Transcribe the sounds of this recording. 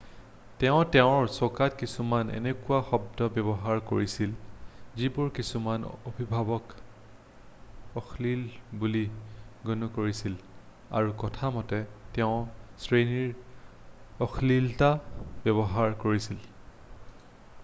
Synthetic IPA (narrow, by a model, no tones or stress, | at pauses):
tɛʊ̃tɛʊ̃ɹsokatkisumanḛnekʊwaxɔbdɔbɛbɔɦaɹko̰ɹisilzibʊɹkisumanobʱibʱabɔk | ɔxʰlilbuliɡunukoɹisil | a̰ɹukɔtʰamɔtɛtɛʊ̃sɹeniɹ | ɔxʰliltabɛbɔɦaɹkoɹisil